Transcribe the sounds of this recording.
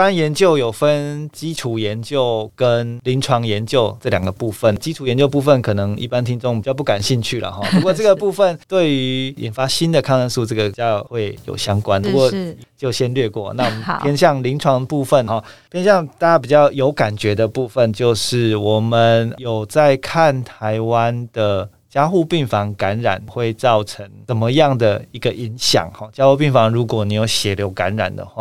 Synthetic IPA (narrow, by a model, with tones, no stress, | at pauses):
pa˦njɛ˧˦˥nt͡ɕjo˥˩ʊjo˨˩ʊfə˦nt͡ɕi˥ʈ͡ʂʰu˨˩jɛ˧˦nt͡ɕjo˥˩ʊkə˦˥nli˧˥ŋʈ͡ʂʰwɑ˧˥ŋjɛ˧˦nt͡ɕjo˥˧ʊʈ͡ʂɤ˥˩ljɑ˨˩ŋɡə˩pu˥˧fə˨˩nt͡ɕi˦˥ʈ͡ʂʰu˨˩jɛ˧˦nt͡ɕjo˥˧ʊp̬u˥˧fə˥˨nkʰɤ˨˩nɤ˧˥ŋḭ˥˩pa˥˦nt̪ʰi˥ŋt͡so˥˧ŋpi˨t͡ɕjɑ˥˧ʊpu˥˩ka˨˩nɕi˥˧nt͡ɕʰy˥˩lə̰˩xɔ˥˨˩pu˧˥kwɔ˥˧ʈ͡ʂɤ˥ɡə˨˩pu˥˧fə˥˨nt̪we˥˩ɪy˧˦ḭ˨˩nfa˧˥ɕi˦nd̪ə˨kʰɑ˥˧ŋə˥˧nsu˥˧ʈ͡ʂɤ˥˩ɡə˩˨t͡ɕjɑ˥˧xwe˥˩ɪjo̰˨˩ʊɕjɑ˥ŋkwa˦npu˧˦˥kwɔ˥˧˨t͡ɕjo˥˩ʊɕjɛ˦nlɥɛ˥˧kwɔ˥˩na˥˨wmə˦pjɛ˥nɕjɑ˥˧ŋli˧˥ŋʈ͡ʂʰwɑ˧˥ŋə˧pu˥˧fə˨˩nxɔ˥˨˩pʰjɛ˥nɕjɑ˥˨˧ŋt̪a˥˩t͡ɕa˥p̬i˨˩t͡ɕjɑ˥˩ʊjo˧˥ʊka˨˩nt͡ɕɥɛ˨˦d̪ə˨pu˥˧fə˨nt͡ɕjo˥˧ʊʂɻ̩˥˩wɔ˨˩mə˨njo˨˩ʊt͡sa˥˧ɪkʰa˥˨nt̪ʰa˧˦ɪwa˦nd̪̥ə˨ | t͡ɕjɑ˥ʊxu˥˧pi˥˩ŋfɑ˧˥ŋka˧˦nɻa̰˨˩nxwe˥˩ɪt͡sɑ˥˩ʊʈ͡ʂʰə˧˦ŋt͡sə˨˩nmə˦jɑ˥˩ŋd̪ə˩i˧˦˥ɡə˨ʔi˧˦ŋɕjɑ̰˨˩˦ŋhɔ˨˩t͡ɕja˥xu˥˧pi˥˩ŋfɑ˧˦ŋɻu˧˦˥kwɔ˨˩˦ni˨˥jo˨˩ʊɕjɛ˨˩ljo˧˥ʊka̰˧˦nɻa̰˨˩nd̪ə̰˦xwa̰˥˩